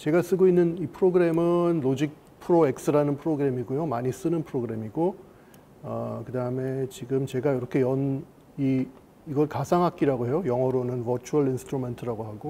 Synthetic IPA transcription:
t͡ɕe̞ɡas͈ɯɡoinːɯnipʰɯɾoɡɯɾe̞mɯnlod͡ʑik̚ | pʰɯɾoe̞k̚s͈ɯɾanɯnpʰɯɾoɡɯɾe̞miɡujomaɲis͈ɯnɯnpʰɯɾoɡɯɾe̞miɡo | ʌkɯdaɯme̞t͡ɕiɡɯmt͡ɕe̞ɡajiɾʌkʰe̞jʌn | iː | ɡʌɭkasʰaŋɦak̚k͈iɾaɡoɦe̞jojʌŋɦʌɾonɯnvʌt͡ɕʰuʌɭinsʰɯ̥tʰɾume̞ntʰɯɾaɡoɦaɡo

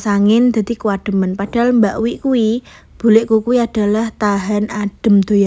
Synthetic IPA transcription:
saŋɪnd̪̥a̤d̪̥ikəwaɖ̥ə̤mənpaɖ̥a̤lmbaʔwiʔkui | b̥ṳlɪʔkukuiad̥a̤laht̪aɦanaɖ̥ə̤md̪̥o̤ja

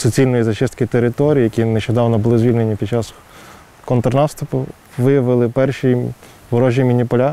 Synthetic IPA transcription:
sɔt͡sʲilʲnɔjizɐt͡ʃɪst̪kɪt̪eɾɪt̪ɔɾʲijjɐkʲineʃt͡ʃɔd̪ɑʋnɔbʊlˠɪzʋʲilʲnenʲipʲid̪ʲt͡ʃɑs | kɔnt̪ɾnɑst̪ʊpʊ | ʋɪjɐʋɪlˠɪpɛrʃi | ʋɔɾɔʒʲjimʲinʲipɔlʲa

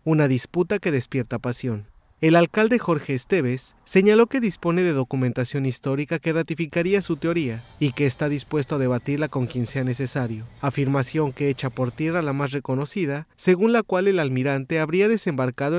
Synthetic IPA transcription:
unaðisput̪ake̞ðe̞spje̞ɾt̪apasjo̞n | e̞lalkald̪e̞xo̞ɾxe̞ːst̪e̞βe̞sːe̞ɲalo̞ke̞ðispo̞ne̞ðe̞ðo̞kument̪asjo̞nist̪o̞ɾikake̞rat̪ifikaɾiasut̪eo̞ɾiaike̞ːst̪aðispwe̞st̪oaðe̞βat̪iɾlako̞ŋkje̞nse̞ane̞s̬e̞saɾjo̞afiɾmasjo̞ŋke̞et͡ʃapo̞ɾt̪je̞ralamasre̞ko̞no̞siðase̞ɣunlakwale̞lalmiɾant̪e̞aβɾiaðe̞se̞mbaɾkað̞o

